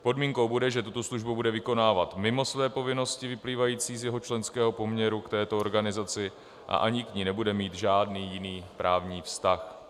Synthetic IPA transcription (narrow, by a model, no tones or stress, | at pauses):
po̞dmiːŋkowbudɛʒɛt̪ut̪o̞sluʒbubudɛvɪko̞naːvat̪mɪmo̞svɛːpo̞vɪno̞scɪvɪpliːvajiːt͡siːzjɛɦo̞t͡ʃlɛnskɛːɦo̞po̞mɲɛɾukt̪ɛːt̪ooɾɡanɪzat͡sɪ | ʔa̰ʔaɲɪkɲiːnɛbudɛmiːt̪ʒaːdniːjɪniːpɾaːvɲiːfst̪ax